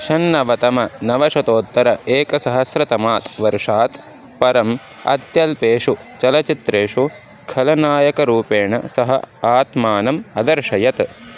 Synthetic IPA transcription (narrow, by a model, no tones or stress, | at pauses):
ʃɐnːɐʋɐt̪ɐmɐnɐʋɐʂɐt̪oːt̪ːɐɾɐeːkɐsɐɦɐsɾɐt̪ɐmaːt̪ʋɐɾʂaːt̪ | pɐɾɐm | ɐ̰d̪jɐlpeːʂut͡ʃɐlɐt͡ʃit̪ɾeːʂu | kʰɐlɐnaːjɐkɐɾuːpeːɳɐ̰sɐɦɐ̰aːt̪maːnɐmɐd̪ɐɾʂɐjɐt̪